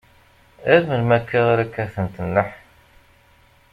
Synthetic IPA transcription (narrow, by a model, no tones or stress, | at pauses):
æɾməlmækːiʁɾækːæθənt̪ənːəħ